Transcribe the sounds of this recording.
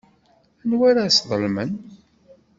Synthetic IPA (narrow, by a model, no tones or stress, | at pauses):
nwaɾasðˤəlmə̰n